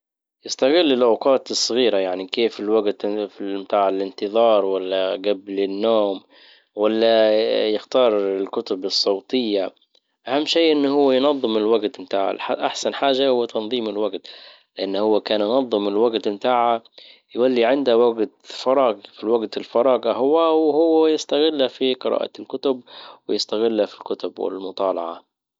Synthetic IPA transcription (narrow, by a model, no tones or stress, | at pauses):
jɪst̪aɣɪlːɪlʔawqɑːt̪ɨsˤːɑɣiːɾajaʕnikeːfɪlwaɡt̪mt̪aːʕalɪnt̪ɨðˤɑːɾˤwalːaɡablɪnːoːm | walːajɪxt̪ɑːɾˤɪlkʊt̪ʊbɨsˤːɑwt̪ˤɪjːa | ʔahamːʃeːʔɪnːhʊwːajnɑðˤːɨmɪlwaɡt̪mɪt̪aːʕa̰lʔaħsanħaːʒahʊwːat̪ʰɑnðˤiːmɪlwaɡt̪ | lɪʔanːhʊwːakaːnjʊnɑðˤːɨmɪlwaɡt̪mt̪aːʕajwalːiʕɪnd̪awaɡt̪fɑɾˤɑːɡfiwaɡt̪ɪlfɑɾˤɑːɡaɦʊwːawhʊwːjɪst̪aɣɪlːafiqɨɾˤɑ̰ːʔa̰lkʊt̪ʊb̚wɪjɪst̪aɣɪlːafilkʊt̪ʊbwɪ̰lmʊt̪ˤɑːlɑʕɑ